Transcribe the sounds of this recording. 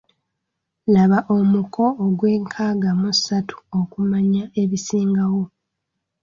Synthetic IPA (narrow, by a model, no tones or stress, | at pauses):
laβaʔo̞mukʰo̞ːɡwe̞ːŋkʰaːɡamusatʰu̥okumaɲae̞βisiːŋɡawo̞